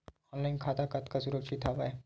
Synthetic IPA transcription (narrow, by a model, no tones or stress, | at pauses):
ɔ̃ːnlaːɪnkʰaːt̪akɐt̪kasʊɾəkʃɪt̪ʰːaʋaɛ